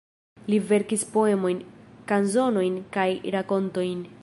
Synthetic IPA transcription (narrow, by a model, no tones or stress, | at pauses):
live̞ɾkispo̞e̞mo̞jnkanzo̞no̞jnkajɾako̞nto̞jn